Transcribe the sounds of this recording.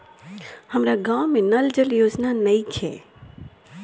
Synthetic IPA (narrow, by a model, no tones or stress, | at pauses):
hɐmɾaɡaːwmːẽnɐld͡ʒəljoːd͡ʒnaːnmɐit͡ʃʰḛː